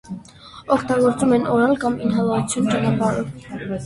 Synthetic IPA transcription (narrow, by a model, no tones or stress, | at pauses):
ɔkʰt̪ɑɡɔɾt͡sumɛnɔɾɑlkɑminɦɑlɑut͡sʰjunt͡ʃɑnɑpɑɾɔv